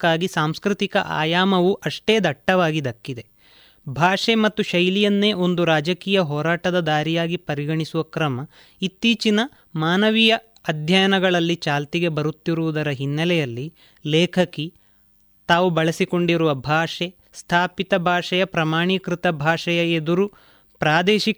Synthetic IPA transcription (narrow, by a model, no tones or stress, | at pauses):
kːaːɡisaːmskɾit̪ikɐʔa̰ːjaːmɐʋuʔɐʂʈe̞ːd̪ɐʈːɐʋaːɡid̪ɐkːid̪e̞ | bʱaːʂemɐt̪ːuʃɐjlijɐnːe̞ːʔo̞nd̪uɾaːd͡ʒɐkiːjɐɦɔːɾaːʈɐd̪ɐd̪aːɾijaːɡipɐɾiɡɐɳisuʋɐkɾɐmɐ | it̪ːiːt͡ʃinɐ | maːnɐʋijɐː | d̪ʱjɐjɐnɐɡɐɭɐlːit͡ʃaːlt̪iɡe̞bɐɾut̪ːiɾuʋud̪ɐɾɐɦinːɐlɛjɐlːi | lɛːkʰɐki | t̪aːʋubɐɭɐsiko̞ɳɖiɾuʋɐbʱaːʂe | st̪ʰaːpit̪ɐbʱaːʂɐjɐpɾɐmaːɳikɾit̪ɐbʱaːʂɐjɐed̪uɾu | pɾaːd̪eːʃi